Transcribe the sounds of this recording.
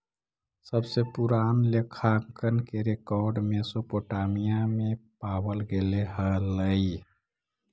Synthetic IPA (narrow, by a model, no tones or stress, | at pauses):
səbsepuɾaːnlekʰaŋkənkeɾekɔɾɖmesopoʈamijamẽpawəlɡeleɦələi